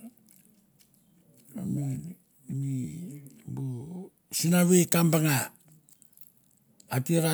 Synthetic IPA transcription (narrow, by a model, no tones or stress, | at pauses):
a̰mi | ni | bu | sinaβekambaŋa | tiɾa